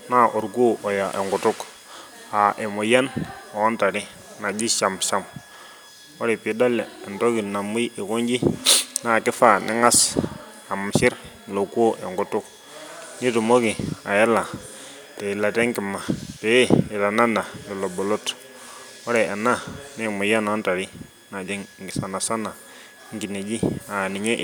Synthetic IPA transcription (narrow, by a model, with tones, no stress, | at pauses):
na˦ʔo˨ɾɡu˦ʔo˨ja˨ʔɛ˨ŋɡu˨tu˦k | a˨ʔe˨mu˨ja˦no˨ɔ˦nta˨ɾi˦ | na˨d͡ʒi˦ʃa˨msa˦m | o˦ɾɛ˨pi˨˦do˦lɛː˨nto˦ki˨na˨mu˦ji˨ko˦ɲd͡ʒi˦na˦˨kɪ˦fa˦˨nʔɪ̰˦ŋa˦s | a˨m˨ʃi˦ɾ | lo˨ko˦ʔɛ˨ŋɡu˨tu˦k̚ | ni˦tu˨mo˦ki˨a̰˨jɛ˦la˨ | te˨i˨la˨tɛ˦ŋkɪ˨ma˨pɛ˨˦ɛ˨ta˨na˦na˨lɔ˨lɔ˨bɔ˨lo˦t | wɔ˦ɾɛ˨ʔɛ˨na˦nɛ˦˨mu˨ja˦na˨˦nta˨ɾi˦ | na˨d͡ʒɛ˦ŋŋɡɪ˨sa˨na˨sa˦na˨ | ŋɡi˨ne˨d͡ʒi˦a˨ni˨ɲe˦ʔ